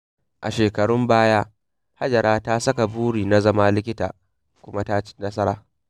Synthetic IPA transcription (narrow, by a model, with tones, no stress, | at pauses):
ʔa˨ʃeː˨kɐ˨ɽʊ˦mbaː˦ja˦ | ha˦d͡ʒɐ˨ɾʔaː˦ta˦sɐ˦ka˨buː˦ɽiː˨na˦zɐ˦ma˦lɪ˦k̬ʲɪ˦ta̰ː˨ | kʷʊ˦ma˦ta˦nɐ˦sɐ˦ɾa̰ː˨